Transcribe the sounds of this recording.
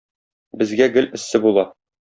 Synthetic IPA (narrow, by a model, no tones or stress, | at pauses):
bɘ̆zɡæɡɘlɘ̆sːɘbulˠɑ